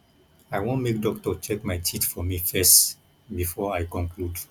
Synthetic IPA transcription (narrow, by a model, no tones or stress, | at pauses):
aɪwõnmek̚dɔk̚tɔt͡ʃɛkmaɪtʰitfɔmifɛst | bifɔajkɔ̃ŋkʰlud